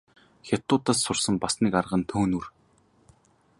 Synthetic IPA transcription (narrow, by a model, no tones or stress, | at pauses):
xʲat̪ʊːt̪əːssʊrsə̆mpasniːkarʁə̆nt̪ʰoːnur